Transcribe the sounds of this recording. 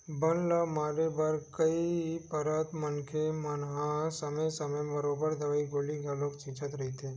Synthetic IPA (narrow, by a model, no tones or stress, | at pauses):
bənləmaɾebəɾkəipəɾət̪mənkʰemənɦãsəmesəmebəɾobəɾd̪ʱəʋaiɡoliɡʱjalokt͡ʃĩt͡ʃət̪ɾəɦit̪ʰe